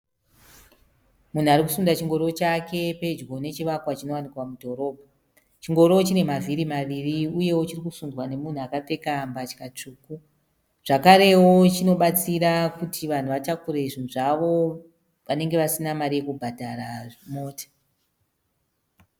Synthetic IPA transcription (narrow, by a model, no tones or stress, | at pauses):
mun̤uaɾiku̥sundat͡ʃiŋɡo̞ɾot͡ʃake̞pe̞d͡ʒɡo̞ne̞t͡ʃiʋakwat͡ʃino̞wanikwamudʱo̞ɾo̞ːbʱa | t͡ʃiŋɡo̞ɾot͡ʃine̞maviɾimaʋiriuje̞wot͡ʃirikusundwane̞mun̤uakap͡fe̞kambat͡ʃi̥kat͡ʂuːku | ʐ̥akaɾe̞wo̞t͡ʃino̞ɓat͡siɾakutʰiʋan̤uʋatakuɾe̞ʐin̤uʐaʋo̞ | ʋane̞ŋɡe̞ʋasinamaɾije̞kubʱadʱaɾamo̞ːtḁ